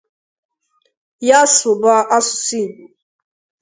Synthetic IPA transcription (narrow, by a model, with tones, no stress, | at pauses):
ja˦sʊ˨ba˦ʔa˦sʊ̥˨si˦˨ɡ͡bu˨